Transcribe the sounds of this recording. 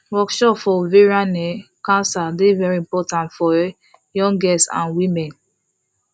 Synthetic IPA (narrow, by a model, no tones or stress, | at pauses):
wɔkʃɔpfɔvɛɹiãnɛ | kãnsadevɛɹiĩmpɔtãntfɔ | jɔ̃ŋɡɛsã̰nwimɛ̃n